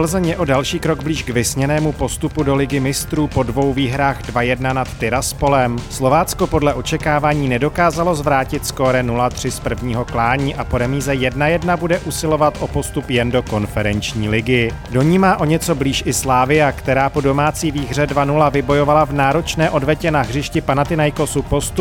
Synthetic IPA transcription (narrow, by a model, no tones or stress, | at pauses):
l̩zɛɲɛʔo̞dalʃiːkɾo̞ɡbliːʃɡvɪsɲɛnɛːmupo̞st̪upudo̞lɪɡɪmɪst̪ɾuːpo̞dvo̞wviːɦɾaːɣdvajɛdnanat̪ːɪɾaspo̞lɛmslo̞vaːt͡sko̞po̞dlɛʔo̞t͡ʃɛkaːvaːɲiːnɛdo̞kaːzalo̞zvɾaːcɪt̪sko̞ɾɛnulat̪r̝̥ɪspr̩vɲiːɦo̞klaːɲiːʔapo̞ɾɛmiːzɛjɛdnajɛdnabudɛʔusɪlo̞vat̪ʔo̞po̞st̪upjɛndo̞ko̞nfɛɾɛnt͡ʃɲiːlɪɡɪ | do̞ɲiːmaːʔo̞ɲɛt͡so̞bliːʃʔɪslaːvɪjakt̪ɛɾaːpo̞do̞maːt͡siːviːɦr̝ɛdvanulavɪbo̞jo̞valavnaːɾo̞t͡ʃnɛːʔo̞dvɛcɛnaɦr̝ɪʃcɪpanat̪ɪnajko̞supo̞st̪u